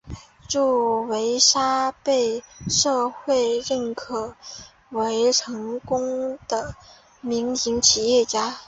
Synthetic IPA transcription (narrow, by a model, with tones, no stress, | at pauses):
ʈ͡ʂu˥˩we˧˥ɪʂa˥pe˥˧ɪʂɤ˥˧xwe˥˧ɪɻə˥˩nkʰɤ˨˩ | we˧˥ɪʈ͡ʂʰɤ˧˥ŋkʊ˥ŋd̪̥ə˨ | mi˧˥ŋi˧˥ŋt͡ɕʰi˨˩jɛ˥˩t͡ɕja˥